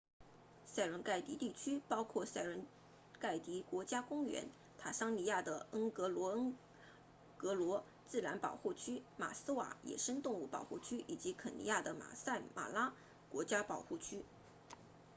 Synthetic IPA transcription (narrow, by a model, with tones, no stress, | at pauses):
sa˥˩ɪɻə˧˥nka˥˩ɪt̪i˧˥t̪i˥˩t͡ɕʰy˥pɑ˥ʊkʰwɔ˥˧sa˥˩ɪɻə˧˥n | ka˥˩ɪt̪i˧˥kwɔ˧˥t͡ɕja˥kʊ˥ŋɥɛ̰˧˥n | t̪ʰa˨˩ʂɑ˥ŋni˧˥ja˥˩d̪ə˩ə˥ŋkɤ˧˥lwɔ˧˥ə˥ŋ | kɤ˧˥lwɔ˧˥ | t͡sɹ̩˥˩la˧˥npɑ̰˨˩ʊxu˥˩t͡ɕʰy˥ma̰˨˩sɹ̩˥wa̰˨˩jɛ̰˨˩ʂə˥ŋt̪ʊ˥˧ŋu˥˩pɑ̰˨˩ʊxu˥˩t͡ɕʰy˥ʔi˨˩t͡ɕi˧˥kʰə˨˩nḭ˧˥ja˥˩d̪ə˩ma̰˨˩sa˥˩ɪma̰˨˩la˥ | kwɔ˧˥t͡ɕja˥pɑ˨˩ʊxu˥˩t͡ɕʰy˥